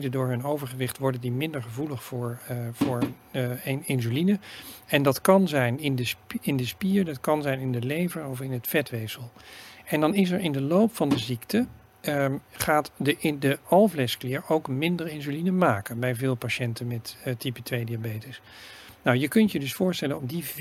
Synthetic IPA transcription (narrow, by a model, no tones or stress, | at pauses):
dədʊːɹɦɵnowvəɹχəʋɪχtʋɔɹdəndimɪndəɹχəvuləχfʊːɹvʊːɹ | ɪnzylinəɛndɑtkɑnzɛjnɪndəsɪndəspiːɹdɑtkɑnzɛjnɪndəlejvənɔfɪnɦətfɛtʋejsəlˠɛndɑnɪs̬ɛɹɪndəlowpfɑndəziktə | χaːtdədəɑlˠvlɛsklɪːɹowkmɪndəɹɪnzylinəmaːkənbɛjvɪːlˠpaʃɛntənmɛttipətʋejdiabejtəs | nawjəkɵntjədɵsfʊːɹstɛlənɔmdiv